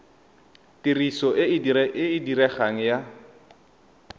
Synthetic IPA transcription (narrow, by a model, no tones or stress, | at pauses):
tirisɔʔɪɪdɪɪdirɛχaŋ̩ja